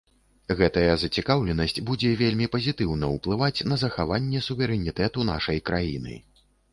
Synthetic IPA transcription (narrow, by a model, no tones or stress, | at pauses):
ɣɛt̪ɐjɐzɐt͡sʲikawlʲɛnɐsʲt͡sʲbud͡zʲɛvʲelʲmʲipɐzʲit̪ɨwnɐuplˠɨvat͡sʲn̪ɐzɐxavanʲːɛsuvʲɛɾɛnʲit̪ɛt̪un̪a̰ʂɐjkɾajḭnɨ̰